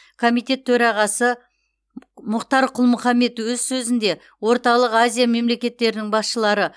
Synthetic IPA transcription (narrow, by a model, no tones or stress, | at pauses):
kʰo̞mijt̪e̞t̪ʰːɵɾɑʁɑsə | mʊqt̪ɑɾqʰʊlˠmʊχɑmːe̞t̪wɵzsɵzɪnd̪e̞ | wo̞ɾt̪ɑlˠəqazʲijame̞mle̞kʲe̞t̪ːe̞ɾɪnɪŋbɑsʃəlˠɑɾə